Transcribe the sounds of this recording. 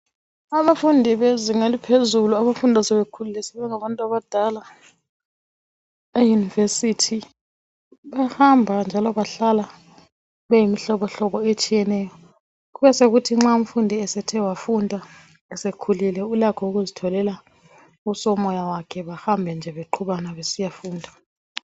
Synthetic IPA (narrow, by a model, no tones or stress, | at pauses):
aβafundʱiβeziŋalipʰezuluaβafundʱasɛβekʰululɛsɛβɛŋaβantʼuaβad̥ʱala | ejunivesitʰi | βahambʱand͡ʒʱalɔβaɬala | βɛjimiɬɔβɔɬɔβɔet͡ʃʼijɛnɛjɔ | ɣuβɛseɣutʰiŋ͡ǁaum̩fundʱiɛsɛtʰɛwafundʱa | ɛsekʰulilɛulakʰɔuɣuzitʰɔlɛla | usɔmɔjawakʰɛβahambʱɛnd͡ʒʱɛβeǃʰuβanaβesijafuːndʱa